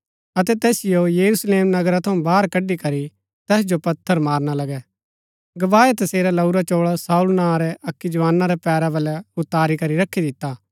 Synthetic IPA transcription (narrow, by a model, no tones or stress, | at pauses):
ɐt̪ɛt̪ɛːsɪjojɐɾusleːmnɐɡɾat̪ʰɐũbaːɾkɐɖːikɐɾi | t̪ɛːs̬d͡ʒopɐt̪ʰːəɾmaːɾnalɐɡɛ | ɡɐʋaːet̪ɐseːɾalɐuɾat͡ʃoːɭasaːulnãːɾɛʔɐkːid͡ʒɐʋaːnːaɾɛpɛːɾabɐlɛʊt̪ːaːɾikɐɾiɾɐkʰːid̪ɪt̪ːaː